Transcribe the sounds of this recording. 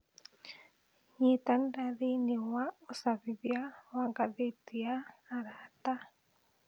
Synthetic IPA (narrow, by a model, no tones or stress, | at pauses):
ɲitandaðinewaosaβiβjawaɡaðetiaːɾata